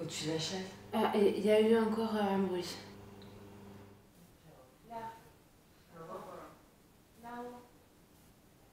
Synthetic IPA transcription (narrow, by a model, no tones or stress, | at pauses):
ut̪ylaʃɛvaʔeiljayɑ̃kɔʁamuʁis | la | la